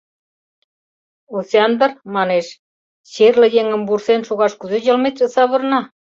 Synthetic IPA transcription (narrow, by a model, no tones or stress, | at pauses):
oseɑnd̪ə̆rmɑneʃ | ɕerlə̆jeŋə̆mbursenʃoɣɑʃkuzejə̆lmet̪ʒə̆sɑβɤ̆rnɑ